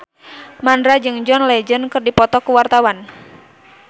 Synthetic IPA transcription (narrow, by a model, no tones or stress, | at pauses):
mandɾad͡ʒɨŋd͡ʒɔnlɛd͡ʒənkɨrdipɔt̪ɔkuwart̪awan